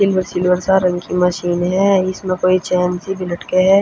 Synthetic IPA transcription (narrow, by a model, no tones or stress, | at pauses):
sɪlʋəɾsɪlʋəɾsaɾɐ̃ŋkʰimɐʃiːnɦɛɪsmẽkoːit͡ʃɛːnsibʱɪlɐʈkeɦɛː